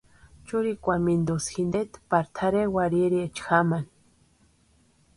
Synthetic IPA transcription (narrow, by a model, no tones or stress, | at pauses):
t͡ʃuɾikʷamind̪osxind̪et̪paɾt̪ʰaɾewaɾiɾiet͡ʃxaman